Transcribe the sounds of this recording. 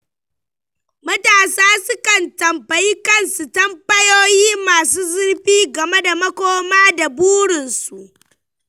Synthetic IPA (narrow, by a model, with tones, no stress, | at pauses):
mɐ˦taː˨saː˦sʊ˦kɐ˨ntɐ˨mbɐ˨ji˦kɐ˦nsu˨tɐ˦mbɐ˦joː˦jiː˦maː˨suː˦zɪ˦ɽɸiː˦ɡɐ˨me˦da˨mɐ˦kʷoː˦maː˦da˨buː˦ɽɪ˨nsu˨ʔ